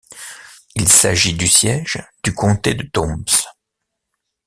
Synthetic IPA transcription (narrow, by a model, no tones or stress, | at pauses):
ilsaʒid̪ysjɛʒd̪̥ykɔ̃t̪ed̪ət̪ɔ̃bs